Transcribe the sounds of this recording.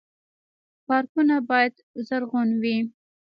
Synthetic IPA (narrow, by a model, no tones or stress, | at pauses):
pɑɾkunabɑjad̪ | zaɾɣonwi